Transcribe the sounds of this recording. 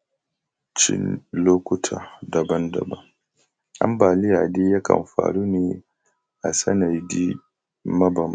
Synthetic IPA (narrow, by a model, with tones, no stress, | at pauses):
t͡ʃɪ̰˦nloː˦kʷʊ˦tʰaː˨dɐ˨bɐ˦ndɐ̰˨bɐ˦ŋ | ʔa̰˦mbaː˨lɪ˦jaː˨de˦ja˦kɐ̰˨mɸa̰ː˨ɽu˦neː˨ | ʔa˨sɐ̰˦na˨di˦ | mɐ˦ba˨m˨